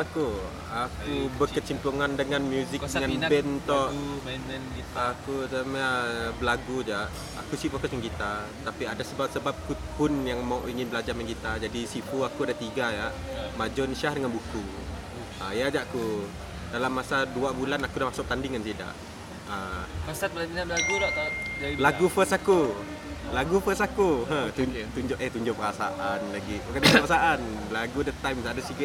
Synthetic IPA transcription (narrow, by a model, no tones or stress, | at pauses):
aku | akubərkət͡ʃimp̪uŋandəŋanmjuzɪk̚dəŋanbɛnt̪ɔʔ | akutamabəlaɡud͡ʒaʔ | a̰kusifokasmənkit̪a | t̪apiadasəbap̚səbap̚ku | pʊnjaŋmauʔiŋɪnbəlad͡ʒarmənkit̪ad͡ʒadisifuakuadat̪iɡajaʔ | mad͡ʒɔnʃahdəŋanbuku | ʔa̰jad͡ʒaʔaku | dalamːasaduabulanakudahmasʊk̚t̪andɪŋkans̬ida̰ʔ | əfəsat̪̚bəaanlaɡulaʔkalaɡufəsaku | laɡufəstakuɦə̃t̪uɲt̪uɲd͡ʒʊʔəht̪uɲd͡ʒʊʔpəɾasaʔanlaɡiakaəɾasaʔanlaɡudət̪ajmsadasiɡa